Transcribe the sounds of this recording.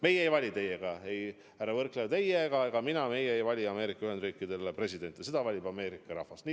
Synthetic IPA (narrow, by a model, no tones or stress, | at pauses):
me̞jejvɑlʲit̪e̞jeɡ̥ɑe̞j | hærːɑvɤrklet̪e̞jeɡɑeɡ̥ɑminɑme̞jeejvɑlʲiɑme̞ːɾikːˑɑyhe̞nd̪riːkːˑid̪̥e̞lepre̞s̬ʲid̪e̞nt̪ːˑsed̪̥ɑvɑlʲibɑme̞ːɾikːˑɑɾɑ̰hfɑst̪ni